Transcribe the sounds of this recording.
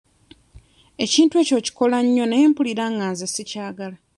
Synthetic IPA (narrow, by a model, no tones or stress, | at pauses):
e̞ciːntwe̞ːco̞ːci̥ko̞laɲːo̞neeːmpuliɾaːŋaːnzesicaːɡala